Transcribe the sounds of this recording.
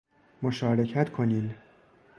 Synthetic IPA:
moʃɒːɾecʰæt̪kʰoniːm

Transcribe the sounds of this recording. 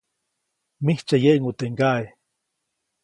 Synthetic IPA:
miht͡ʃajeʔŋut̪eŋɡae

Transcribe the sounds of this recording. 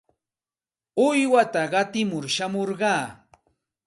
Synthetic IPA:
ʊjwat̪aɢɑt̪ɪmʊɾʃamoɾɢɑː

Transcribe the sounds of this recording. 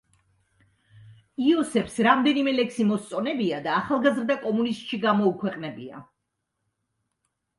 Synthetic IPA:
iɔsɛpsɾamd̪ɛnimɛlɛksimɔst̪sʼɔnɛbiad̪aːχalˠɡazɾd̪akʼɔmunist̪ʼʃiɡamɔukʰwɛqʼnɛbia̰

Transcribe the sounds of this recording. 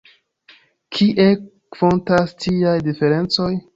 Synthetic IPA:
kʰiʔe | v̥o̞ntastʰiajdife̞ɾe̞nt͡so̞j

